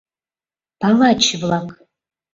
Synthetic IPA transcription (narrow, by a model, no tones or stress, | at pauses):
b̥avat͡ʃʰɪvlakʼ